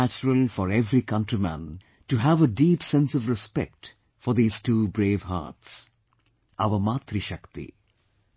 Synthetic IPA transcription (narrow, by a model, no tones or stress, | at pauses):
æt͡ʃəɾəlˠfɔɾɛvɾikʌ̃nʈɾimæ̰̃n | ʈuɦæʋəɖiːpsɛ̃nsʌvɾɪspɛ̰k̚ʈ | fɔɾd̪iːz̥ʈuːbɾeːvɦa̰ːʈs | ʔʌʋəmat̪ɾiʃʌkt̪ḭ